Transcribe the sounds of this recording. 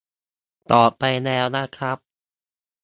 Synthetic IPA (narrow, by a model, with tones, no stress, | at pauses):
t̪ɔː˨˩pːa˧jnɛː˧wna˦˥kʰɾa˦˥p̚